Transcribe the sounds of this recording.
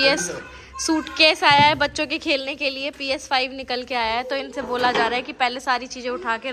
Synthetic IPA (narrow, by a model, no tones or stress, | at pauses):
iɛsː | uːʈkɛːsaːjaɦɛbɐtːʃõkekʰeːlnekeliepiːɛsfʰaːɪʋnɪkəlkeaːjaɦɛt̪oɪnseboːlad͡ʒaːɾaːɦɛkipɛːlesaːɾit͡ʃiːzẽʊʈʰaːkeɾ